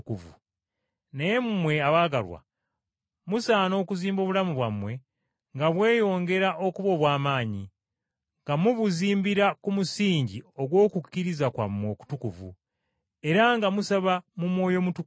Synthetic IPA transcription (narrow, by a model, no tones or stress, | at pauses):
kuvṵ | nejemumwe̞aβaːɡalwa̰ | musaːno̞ːkuziːmbo̞ːβulamuβwamwe̞ | ŋɡaβwe̞ːjo̞ːŋɡe̞ɾaʔo̞kuβo̞βwaːmaːɲi | ŋɡamuβuziːmbiɾakumusiːɲɟio̞ɡwo̞ːkukːiɾizakwa̰mwo̞ːku̥tukuvṵ | e̞ɾaŋɡamusaβamumwo̞ːjo̞mutu